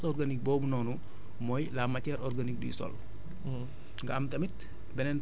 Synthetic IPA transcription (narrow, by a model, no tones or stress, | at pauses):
sɔrɡanik̚bɔːbunɔːnu | mɔjlaːmɐcɛɾʔɔrɡanik̚dṵjisɔ̰l | ŋɡɐɐmtɐmit | bɛnɛn